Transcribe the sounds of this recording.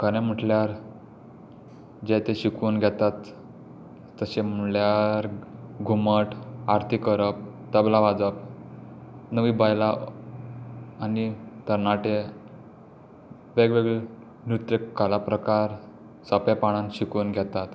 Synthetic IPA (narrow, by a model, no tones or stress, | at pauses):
kəñẽm̤əʈljaɾ | d͡ʑet̪eɕikunɡʱɛt̪at̪ | əɕem̤əljaɾɡʱuməʈaɾt̪ʰikəɾəp̚t̪əblaʋad͡zəp̚ | nəʋibajla | anit̪əɾnaʈe | ʋeɡʋeɡɭe | nut̪ɾəkkːalapɾəkaɾ | səpepaɽ̃ãnɕikuːnɡʱɛt̪at̪